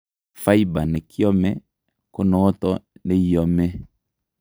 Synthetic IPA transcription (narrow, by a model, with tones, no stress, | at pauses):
fa˦i˦ba˨ne˨kʰi˦ɔ˦mɛ˦ | ko˦nɔ˨˦ɔ˦tɔ˦ne˦i˦jɔ˨˦mɛ˦